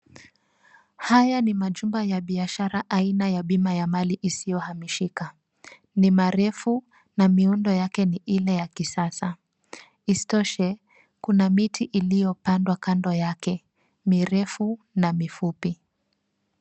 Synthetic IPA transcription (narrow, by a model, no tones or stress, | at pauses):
hajanimaʄumbajaɓiaʃaɾaʔainajaɓimajamaliʔisijɔhamiʃika | nimaɾɛfu | namiundɔjakɛniʔilɛjakisasa | istɔʃɛ | kunamitʰiʔilijɔpandwakandɔjakɛ | miɾɛfu | namifupi